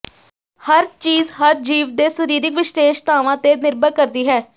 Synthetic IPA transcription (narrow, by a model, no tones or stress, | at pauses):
həɾt͡ʃiːzɦəɾd͡ʒiːʋd̪eːsəɾiːɾɪkʋɪʃt̪eːʃt̪aːʋãːt̪eːnɪɾbəɾkəɾd̪iːɦɛː